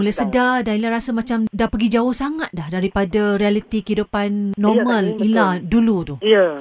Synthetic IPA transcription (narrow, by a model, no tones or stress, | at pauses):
ulajsədadailaɾasamãt͡ʃamdapəɡid͡ʒaʊhsaŋat̪̚dahdaɾipadarialit̪ikəɦidupanːɔmə̃liladulut̪uhiə